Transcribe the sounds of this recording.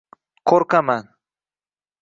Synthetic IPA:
kʰoɾkaman

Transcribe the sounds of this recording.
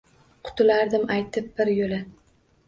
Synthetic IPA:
qʰʊ̥t̪ɪlaɾd̪ɪmajt̪ʰɪp̚b̥ɪɾjolɪ

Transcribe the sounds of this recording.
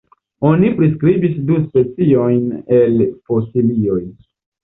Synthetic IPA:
o̞nipɾiskɾibisduspe̞t͡sio̞jnelfosilio̞j

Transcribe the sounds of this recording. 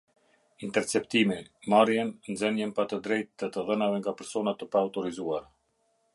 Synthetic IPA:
int̪ɛɾt͡sɛpt̪imimaɾjɛnnzɛnənpat̪əd̪ɾɛjt̪ːət̪əðənavɛŋɡapɛɾsɔnat̪əpauwt̪ɔɾizuaɾa

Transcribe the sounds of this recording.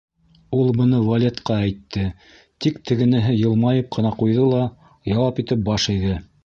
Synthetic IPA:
ulˠbɤ̆nɤvɐlʲet̪qɑæjt̪ːɘ | t̪ikt̪ʰɘ̆ɡɘ̆nɘ̆ɦɘjɤ̆lˠmɑjɤp̚qɤ̆nɑqujðɤlˠɑ | jɑwɑpit̪ɘp̚bɑʃɘ̆jðɤ

